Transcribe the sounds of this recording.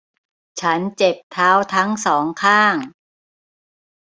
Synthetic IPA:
t͡ɕʰa˦˥nt͡ɕe˨˩p̚t̪ʰaː˦˥wt̪ʰa˦˥ŋsɔː˩˦ŋkʰaː˥˩ŋ

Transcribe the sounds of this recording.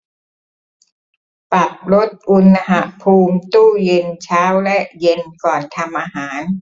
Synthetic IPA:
pa˨˩p̚ɾo˦˥t̪̚ʔu˧nː˧ɦa˨˩pʰuː˧mt̪uː˥˩je˧nt͡ɕʰaː˦˥wlɛ˦˥ʔje˧nkɔː˨˩nt̪ʰa˧mʔaː˧ɦaː˩˦n

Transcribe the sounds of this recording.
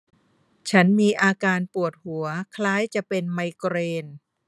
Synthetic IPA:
t͡ɕʰa˦˥nmiː˧ʔaː˧kaː˧npu˨˩ət̪̚hu˩˦ɐkʰlaː˦˥jt͡ɕa˨˩pe˧nma˧jkɾeː˧n

